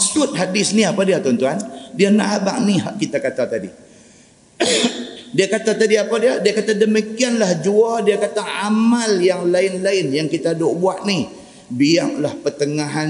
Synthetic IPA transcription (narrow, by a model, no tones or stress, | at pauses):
sʊt̪̚ɦadɪsniapadiat̪ɔnt̪uandianaʔaba̰ʔ̚niɦaʔkit̪akat̪at̪adḭ | diakat̪at̪adiapadiadiakakt̪adəmikianlahd͡ʒuadiakat̪aamaljaŋlaɪnlaɪnjaŋkit̪adoʔbuaʔni | biaŋlahpərt̪əŋaɦan